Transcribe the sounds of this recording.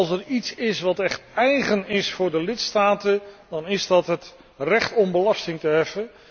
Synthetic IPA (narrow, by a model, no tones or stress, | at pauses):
lˠs̬əritsɪsʋɑtɛχtɛjχənɪsfʊːɹdəlɪtstaːtəndɑnɪzdɑtɦət | rɛχtɔmbəlɑstɪŋtəɦɛfən